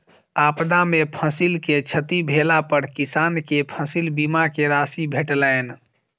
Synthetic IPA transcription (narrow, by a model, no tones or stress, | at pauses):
apd̪amepʰəsilket͡ʃʰət̪ibʱelapəɾkisaːnkepʰəsilbimakeɾaːsibʱeʈlɛn